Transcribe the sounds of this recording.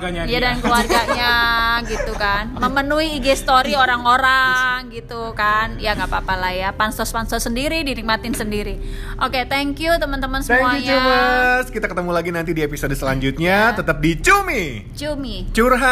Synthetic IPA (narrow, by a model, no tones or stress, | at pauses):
ɡaɲajadankluarɡaɲaɡit̪ukanməmənuiːɡest̪oɾioɾaŋoɾaŋɡit̪ukanjaɡapapalajapansɔspansɔsəndiɾidinik̚mat̪ɪnsəndiɾi | ʔoket̪ɛŋkjut̪əmənt̪əmənsəɛmuaɲubəskit̪akət̪əmulaɡinant̪idiepisodsəlaɲd͡ʒut̪̚ɲat̪ət̪əp̚dit͡ʃumi | t͡ʃumit͡ʃurɦa